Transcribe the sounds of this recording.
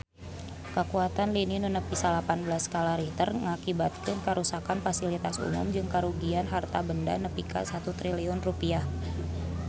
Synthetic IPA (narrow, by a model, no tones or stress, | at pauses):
kəkuat̪anlininunəpisalapanbəlaskalaɾit̪ərŋakibat̪̚kɪnkəɾusakanfasilit̪asṵmʊ̰md͡ʒɨŋkaɾuɡianɦart̪abənda̰nəpika̰sat̪ut̪ɾiliɔnrupiah